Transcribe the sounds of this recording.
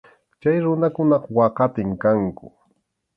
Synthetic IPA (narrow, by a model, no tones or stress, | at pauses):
t͡ʃajɾʊnakʊnɑqwɑqɑt̪ɪŋkaŋkʊ̰